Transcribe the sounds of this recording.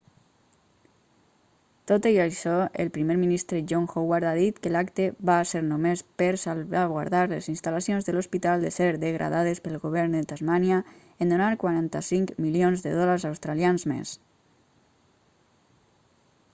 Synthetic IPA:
t̪ot̪əiaʃɔḛlˠpɾimeɾminist̪ɾəʒoŋxowaɾt̪aðit̪kəlakt̪eβaːseɾnomespəɾsalβaɣwa̰ɾðaɾlḛzinst̪alasionzðəlospit̪alˠd̪əseɾðəɣɾʔa̰ðað̞espəlˠɣoβ̞ɛɾnd̪ət̪azmanja | end̪onaɾkwaɾant̪a̰siŋkmilionzðəðɔlaɾzawst̪ɾalianzmḛs

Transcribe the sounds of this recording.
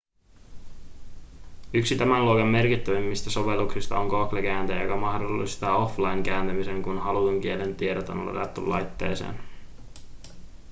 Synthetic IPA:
yksit̪æmænluokɑmːe̞rkit̪ːæʋemːist̪æso̞ʋe̞luksist̪ɑ̰oŋkoklek̟æːnt̪ejjokɑmɑhdo̞lːist̪ɑːo̞flɑjŋk̟æːnt̪æmise̞ŋkunhɑluuŋk̟ie̞le̞nt̪iedot̪o̞̰nlo̰t̪ɑ̰t̪ːṵlːɑ̰jt̪ːe̞̰ːsḛːn

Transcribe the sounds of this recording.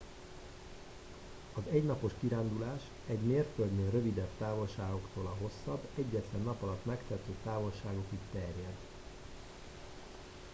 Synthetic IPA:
ɒzɛɟnɒpo̞ʃkiɾaːnd̪ulaːʃ | ɛɟmeːrt̪føld̪nøːrø̞vid̪ɛbt̪aːvo̞lʃaːɡo̞kt̪oːlɒɦo̞sːɒbːɛɟːɛt̪lɛnːɒpɒlɒt̪mɛkt̪ɛt̪øːt̪aːvo̞lʃaːɡo̞kikt̪ɛrjɛd̪

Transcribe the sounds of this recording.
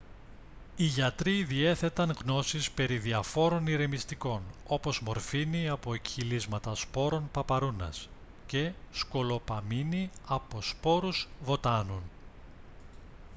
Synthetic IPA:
iʝɐt̪ɾiðie̞θe̞t̪ɐŋɣno̞sispe̞ɾiðiɐfo̞ɾo̞niɾe̞mist̪iko̞no̞po̞zmo̞ɾfiniɐpo̞ekçilizmɐt̪ɐspo̞ɾo̞npɐpɐɾunɐ̰s | ce̞sko̞lo̞pɐminiɐpo̞spo̞ɾuzvo̞t̪ɐnun

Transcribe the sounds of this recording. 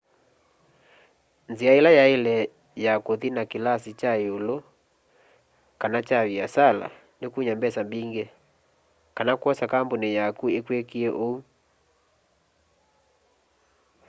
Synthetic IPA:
nziaelajaelɛ | jakoðinakilasit͡ʃaeolo | kanat͡ʃaβiasala̰ | ndekuɲambɛsambiŋɡɛ | kanakwɔsakambonejakuekwekiɛʔou

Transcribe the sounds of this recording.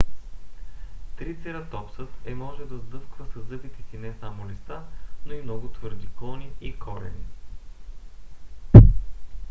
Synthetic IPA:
t̪ɾit̪sɛɾət̪ɔpsət̪ɛmɔʒɛd̪ɐzd̪ɤskvəsɐzɤpit̪isinɛsamolist̪anoimnɔɡʊt̪vɤɾd̪iklˠɔniikʰɔɾɛ̰nḭ

